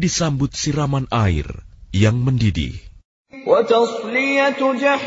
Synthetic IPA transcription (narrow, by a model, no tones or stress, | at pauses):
disambʊt̪̚siɾamanʔaḭrjaŋməndidḭh | wat̪ɑsˤlijat̪d͡ʒaħ